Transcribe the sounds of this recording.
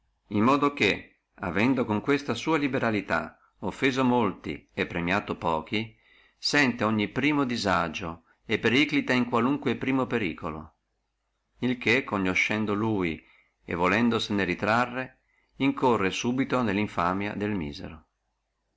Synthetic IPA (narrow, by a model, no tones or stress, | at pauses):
immːɔːd̪ok̟e | a̰vɛnd̪okoŋkwest̪asuːalibeɾalit̪a̰ | ofːeːzomolt̪ḭepːɾemjaːt̪opɔːk̟i | sɛnt̪eoɲːipɾiːmod̪izad͡ʒo | epːeɾiklit̪aiŋkwaluŋkwepɾiːmopeɾḭːkolo̰ | ilkekːoɲːoʃɛnd̪oluːji | ḛvolɛnd̪oseneɾit̪ɾarːe | iŋkorːesuːbit̪onelːiɱfaːmja̰d̪elmḭːzḛɾo